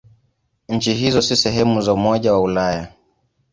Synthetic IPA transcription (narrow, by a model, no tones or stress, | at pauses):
ɲ̩t͡ʃiɦizɔsisɛɦɛmuzaumɔʄawaulaja